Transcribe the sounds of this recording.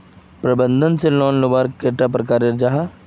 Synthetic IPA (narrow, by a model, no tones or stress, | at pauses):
pɾɐbə̃nd̪ʱənselɔːnlobaːɾkeʈapɾɐkaːɾeɾd͡ʒaːɦa